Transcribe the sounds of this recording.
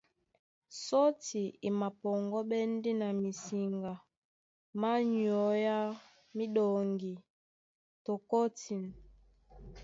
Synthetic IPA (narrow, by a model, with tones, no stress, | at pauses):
sɔ˦ti˨i˨ma˨pɔ˨ŋɡɔ˦ɓɛ˦n˦di˦na˨mi˨si˨ŋɡa˨ | ma˦ɲ˨ɔ˨˦ja˦ | mi˦ɗɔ˨ŋɡi˨ | tɔ˨kɔ˦ti˨n